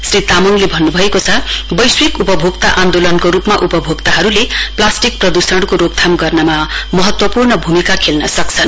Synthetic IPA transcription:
srit̪amonlebʱʌnːubʱʌekot͡sʰʌbʌjswikupʌbʱoɡt̪aʔand̪olʌnkoɾupmaʔupʌbʱoɡt̪aɦʌɾuleplasʈik̚prʌd̪usʌɽkoɾoɡ̚t̪ʰamɡʌrnʌmamʌɦʌt̪wʌpurnʌbʱumikakʰelnʌsʌk̚t͡sʰʌn

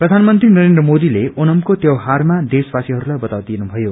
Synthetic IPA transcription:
prʌd̪ʱanmʌnt̪rinʌɾend̪rʌmod̪ileʔonʌmkot̪jʌwɦarmad̪eswasiɦʌɾulajbʌt̪awd̪inubʱʌjo

